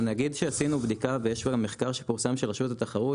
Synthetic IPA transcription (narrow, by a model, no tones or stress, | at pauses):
naɡid̪ʃeasinubd̪ikavejeʃvaɡamːeχkaʁʃepuʁsamʃelʁeʃutat̪aχaʁu